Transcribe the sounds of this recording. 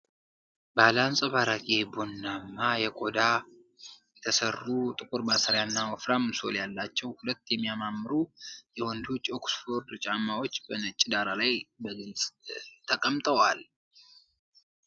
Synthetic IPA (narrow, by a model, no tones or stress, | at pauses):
balansʼəβaɾakʼebo̞nːamːajɛkʼo̞d̪a | jɛt̪ʰəsərːut̪ʼɨkʼuɾbasaɾjanːawɔfɾamso̞̰ljalːat͡ʃːɛwhulət̪ːjɛmːijamamːɨɾujɛwɔnd̪ot͡ʃːo̞ksfo̞ɾd̪t͡ʃʼamːawo̞t͡ʃːbənət͡ʃʼːɪd̪aɾalajbəɡɨlsʼt̪ʰəkʼəmt̪ʼəwal